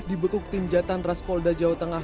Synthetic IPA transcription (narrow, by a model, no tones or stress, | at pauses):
dibəkʊk̚t̪iɲd͡ʒat̪anraspɔldad͡ʒaot̪əŋa